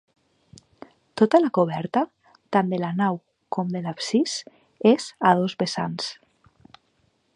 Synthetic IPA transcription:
t̪ot̪alakoβ̞ɛɾt̪a | t̪and̪elanaw | komd̪elapsis | ezað̞ozβesans

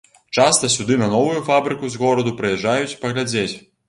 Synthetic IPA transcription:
t͡ʂast̪ɐsʲud̪ɨnɐnɔvujufabɾɨkuzɣɔɾɐd̪upɾɨjɛʐajut͡sʲi̥pɐɣlʲad͡zʲet͡sʲ

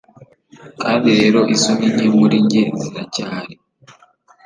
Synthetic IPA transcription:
kaːndiɾe̞ːɾo̞ʔisomiɲemuɾiɲɟenziɾacaːɾe

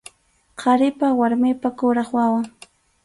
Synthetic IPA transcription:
qʰɑɾɪpawaɾmɪpakʊɾɑχwawaŋ

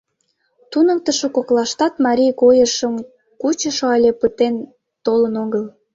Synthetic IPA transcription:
t̪unəkt̪əʃokoklɑʃt̪ɑt̪mɑɾʲijkojəʃəm | kut͡ɕəʃoɑjlʲepət̪en | t̪olənoɣəl

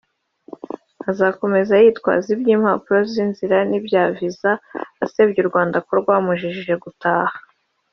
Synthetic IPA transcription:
azako̞me̞zajitkwa̰ːzibɟiːmha̰puɾo̞zinziɾanibjaːvizaːse̞ːbɟuɾɡwaːndakoɾɡwaːmuʒiʒiʒe̞ɡutaːhḁ

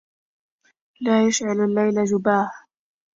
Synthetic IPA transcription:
laːjaʃʕalalːajlad͡ʒʊbaːh

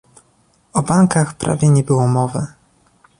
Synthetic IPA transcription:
ɔbaŋkaxpɾa̰vʲjɛɲɛbɘwɔmɔvɛ

